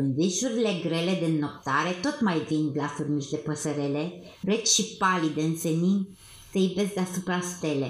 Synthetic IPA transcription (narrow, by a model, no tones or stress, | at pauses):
ɨnviʃuɾile̞ɡɾe̞le̞d̪enːop̚t̪aɾe̞t̪o̞t̪majvind̪lafurmiʒd̪e̞pəsəɾele | ret͡ʃʃipalid̪eɨnt̪senin | t̪ejbesd̪easupɾast̪e̞le